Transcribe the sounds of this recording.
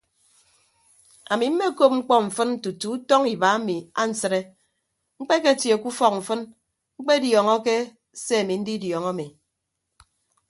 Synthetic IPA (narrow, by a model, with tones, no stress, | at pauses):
a̰˨mi˨m̩˦me˦ko˦p̚ŋ͡m̩˦k͡pɔ˦ɱ̩˨fɨ˦n̩˦tu˨tu˨˦u˦tɔ˦ŋi˨ba˨˦a˦mi˨a˦n̩˨sɨ˦ɾe˦ | ŋ͡m̩˦k͡pe˦ke˦˨tje˨ku˦fɔ˦k̚ɱ̩˨fɨ˦n | ŋ͡m̩˦k͡pe˦djɔ˨ŋɔ˦ke˦ | se˦a˨mi˨n̩˦di˦djɔ˨ŋɔ˦a˦mi˨